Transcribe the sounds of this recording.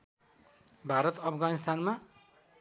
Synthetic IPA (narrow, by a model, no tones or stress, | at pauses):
bʱaɾʌt̪ʌpʰɡanist̪anma